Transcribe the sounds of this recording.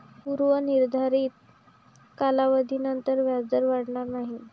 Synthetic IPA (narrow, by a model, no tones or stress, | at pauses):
puɾʋəniɾd̪ʱaɾiːt̪̚ | kalaʋəd̪ʱiːnənt̪əɾʋjad͡zəɾʋaɽɳaɾnaɦi